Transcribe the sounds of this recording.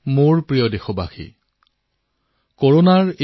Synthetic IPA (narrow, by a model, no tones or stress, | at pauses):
moɹpɹijɔdexɔbaxḭ | koɹonaɹe